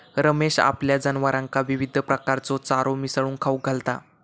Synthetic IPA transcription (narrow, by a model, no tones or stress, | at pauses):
ɾəmeɕa̰pljad͡zənʋəɾãŋkaʋiʋid̪ʱəpɾəkaɾt͡sɔt͡saɾomisɭuːnkʰawɡʱalt̪a̰